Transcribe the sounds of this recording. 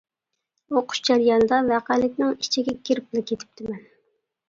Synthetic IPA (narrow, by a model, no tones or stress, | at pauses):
oqʰʊ̥ʃd͡ʒæɾjɑnɨd̪ɑvæqælɪkʲnɪŋit͡ʃʰiɡʲɛkʲʰiɾɪplˠɪkʲʰet̪ʰɪ̥p̚t̪ʰɪmɛn